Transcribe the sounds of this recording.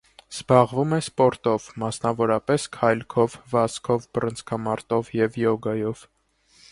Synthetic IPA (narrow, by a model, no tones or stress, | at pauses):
z̥bɑʁvumɛspɔɾt̪ɔvmɑsnɑvɔɾɑpɛskʰɑjlkʰɔvvɑskʰɔvbərənt͡sʰkʰɑmɑɾt̪ɔvjɛvjɔɡɑjɔv